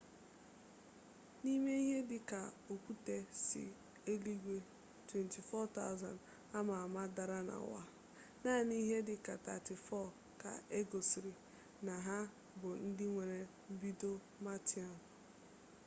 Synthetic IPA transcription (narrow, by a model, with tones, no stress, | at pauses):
ni˦me˦i˦ɦe˦dɪ˦ka˨o˨kʷu˦te˦sɪ̰˨ | e˦li˦ɡʷe˦ | twe˨nti˨fɔ˦ta̰˦ʊ˦za̰˨n | a˦ma˨a˨ma˦da˨ɾa˦na̰˨wa̰˦ | na˦˨ni˦ɦe˦dɪ˦ka˨ta̰˨tɪ˨fɔ˦˨ | ka̰˨e˦ɡo˨sɾi˨ | na˨ɦa˦ | bʊ˨n̩˦dɪ˦ŋʷe˨ɾe˨ | m̩˦bi˦do˦ | ma˦ti˦˨a˨n